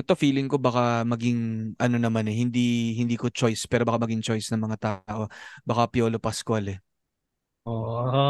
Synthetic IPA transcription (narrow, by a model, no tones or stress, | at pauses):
ʔɛt̪o̞fiːlɪŋko̞bɐkamɐɡɪŋʔɐno̞nɐmanɛhɪnd̪ihɪnd̪iːko̞t͡ʃo̞jspɛːɾobɐkamɐɡɪŋt͡ʃo̞jsnɐŋmɐŋat̪aːʔo̞bɐkapɪjoːlopɐskwalɛ | ʔo